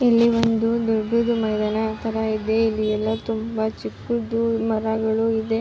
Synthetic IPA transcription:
ilːiʋond̪ud̪uɾɖud̪umɐjd̪ɐnɐt̪ʰɐɾɐid̪eilːiɛlːɐt̪umbɐt͡ʃikːud̪umɐɾɐɡɐɭuid̪e̞

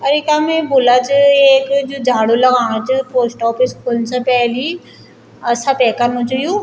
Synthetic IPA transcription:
ɐɾɪkamẽbʊlat͡ɕɪeːkd͡ʑod͡ʒʱaːɽolɐɣaːɽ̃õt͡ɕʊpoːsʈɔːpɪskulnsãpɛɦli | ɐsãpɛːkanõt͡ʃɐjũ

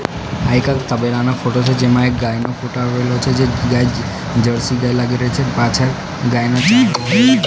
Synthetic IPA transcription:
ajkakt̪abeɾanafʰoʈot͡ʃʰed͡ʒemaekɡajnofʰoʈoaelot͡ʃʰed͡ʒeɡaj | d͡ʒəɾsiɡajlaɡeɾɔt͡ʃʰepat͡ʃʰaɾ | ɡajnɔt͡ʃa

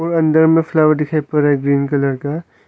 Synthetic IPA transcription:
ɔːɾɐ̃nd̪əɾmẽfʰlaːʋəɾɖd̪ɪkʰaːipɐɾaeɡɾiːnkɐləɾka

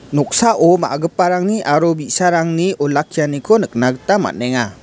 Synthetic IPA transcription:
nɔk̚saʔɔma̰ɡɯpːaɾaŋniʔaɾɔbisaɾaŋniʔɔlakʰːijanikʰɔnɯk̚naɡɯtama̰neŋa

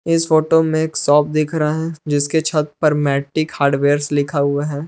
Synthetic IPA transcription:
ɪsfoːʈomẽeːksɔːp̚d̪ɪkʰɾɐaɦɛ̃d͡ʒɪsket͡ʃʰɐt̪pɐɾmɛːʈːɪkhaːɾɖʋeːɾslɪkʰaɦʊaɦɛː

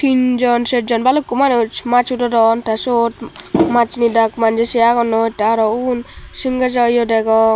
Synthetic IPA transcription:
t̪ind͡ʒɔnsed͡ʒɔnbalukːumanut͡ʃmat͡ʃudɔdɔnt̪asotmat͡ʃnidakmand͡ʒesijakɔnotːaaɾɔunsiŋɡad͡ʒɔjɔdɛɡɔ

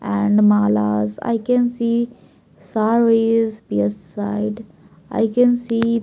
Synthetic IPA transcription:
ʔɛ̃ɳɖmaːla̰ːza̰ɪkɛ̃nsiː | saːɾizpiɛssaɪɖ | a̰ɪkɛ̃nsiː

